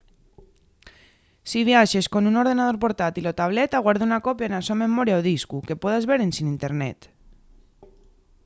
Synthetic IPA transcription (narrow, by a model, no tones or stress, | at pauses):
siβ̞iaʃeskonunoɾðenað̞oɾp̬oɾt̪at̪ilot̪aβ̞let̪aɣwaɾðeunakopjaenasomemoɾjaoðiskuke̞poðazβeɾensinint̪eɾnḛt̪